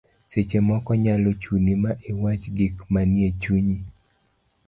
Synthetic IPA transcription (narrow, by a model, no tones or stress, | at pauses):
set͡ʃemɔkɔɲalot͡ʃunimaʔewat͡ʃɡikmanjet͡ʃuɲi